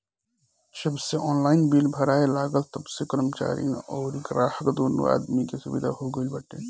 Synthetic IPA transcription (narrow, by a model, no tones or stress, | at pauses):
d͡ʒəbseʔɔːnlaːɪnbiːlbʱəɾaːelaːɡəlt̪əbsekəɾəmt͡ʃa̰ːɾḭnɔːɾikɾaːhəkd̪oːnṵa̰ːd̪mikesʊbid̪ʱaɦoɡəilbəʈḛ